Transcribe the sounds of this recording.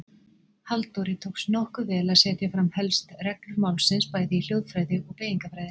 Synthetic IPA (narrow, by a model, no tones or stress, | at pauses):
halt̪oɾɪt̪ʰowksnɔhkʏvɛːlaðsɛːt̪jafɾamhɛlst̪rɛklʏɾmawlsɪnspaːjðɪil̥jowðfɾaːjðɪɔpeːjiŋkafɾajðɪ